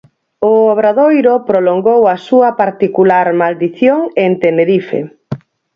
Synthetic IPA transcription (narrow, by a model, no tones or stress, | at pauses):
ʊoβ̞ɾaðojɾopɾoloŋɡowɐsuɐpaɾt̪ikulaɾmald̪iθjoŋent̪eneɾifḛ